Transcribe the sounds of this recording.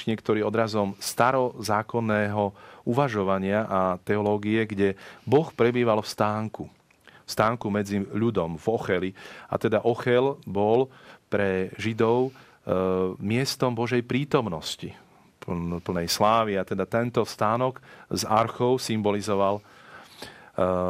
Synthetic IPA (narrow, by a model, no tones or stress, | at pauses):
ɲɪɛkt̪ɔɾiːɔd̪ɾazɔmst̪aɾɔzaːkɔnːɛːɦɔuʋaʒɔʋaɲɪaʔat̪ɛɔlɔːɡiɛɡɟɛbɔxpɾɛbiːʋalfst̪aːŋku | fst̪aːŋkumɛd͡ziʎud̪ɔmvɔxɛlia̰t̪ɛd̪aʔɔxɛlbɔlpɾɛʒid̪ɔʊ | mɪɛst̪ɔmbɔʒɛjpɾiːt̪ɔmnɔsci | ppl̩nɛjslaːʋiat̪ɛd̪at̪ɛnt̪ɔst̪aːnɔɡzaɾxɔʊsimbɔlizɔʋal